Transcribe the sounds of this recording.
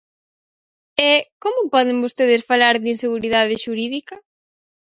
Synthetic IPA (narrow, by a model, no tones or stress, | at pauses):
ɛkomʊpɔðɪŋbost̪eðɪsfalaɾðinseɣuɾiðaðɪʃuɾiðikɐ